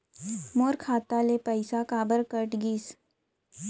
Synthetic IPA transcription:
moːɾkʰaːt̪alepəɪsakaːbəɾkəʈɡiːs

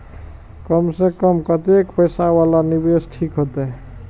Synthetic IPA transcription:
kəmsẽkəmkət̪ekpəjsawalanibesʈʰikɦot̪ɛ

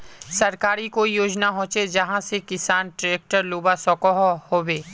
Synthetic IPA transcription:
sɐɾkaːɾikoːijoːd͡ʒnaɦõːt͡ʃed͡ʒɐɦãsekɪsaːnʈɾeːk̚ʈəɾluːbasɔːkɔɦhoːweː

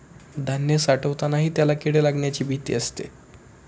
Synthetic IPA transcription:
d̪ʱanjəsaʈəʋt̪anaɦiːt̪jalakiɽelaɡɳjat͡ɕiːbʱit̪ḭəst̪ḛ

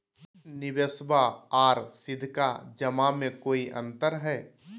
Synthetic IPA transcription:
nɪbəsbaaːɾsɪd̪ʱkad͡ʒəmamẽkoːiʔə̰̃nt̪əɾɦɛː

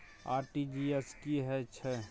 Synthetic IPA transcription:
a̰ːɾʈid͡ʒieskiɦɛt͡ʃʰɛ

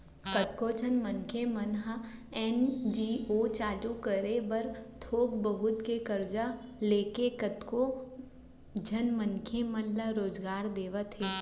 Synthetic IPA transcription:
kət̪̚koːd͡ʒʱɐnmənkʰemɐnɦəɛːnd͡ʒiːoːt͡ʃaːlukəɾebɐɾt̪ʰoːk̚bəɦʊt̪kekɐɾd͡ʒaleːkekət̪ko | d͡ʒʱɐnmənkʰemənləɾoːzɡaːɾd̪eːʋət̪ɦeː

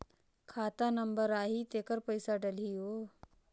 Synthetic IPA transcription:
kʰat̪anəmbəɾaɦit̪ekəɾpəjsaɖəlɦijo

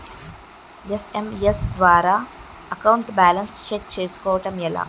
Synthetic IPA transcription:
esemjesd̪ʋaːɾaː | ɐkɐwɳʈbaːlɐnst͡ʃekt͡ʃeːsu̥kɔːʋɐʈɐmɛla̰ː

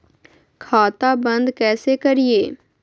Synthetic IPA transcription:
kʰaːt̪abɐ̃nd̪kɛːsekɐɾieː

